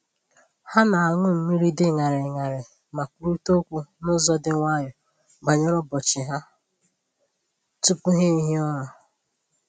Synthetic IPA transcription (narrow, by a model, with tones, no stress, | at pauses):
ha˦na˨a˨ŋʷʊ˦m̩˦mi˦ɾi˦dɪ˦ŋa˨ɾɪ˨ŋa˨ɾɪ˨ | ma˨ku˦ɾu˦to˦kʷu˦nʊ˦zɔ˦dɪ˦ŋʷa˦ɲɔ˨ | ɡ͡ba˨ɲɔ˦ɾɔ˦bɔ˨t͡ʃɪ˨ɦa˦ | tu˦pu˦ɦe˦ɦi˦ɔ˦ɾɔ˨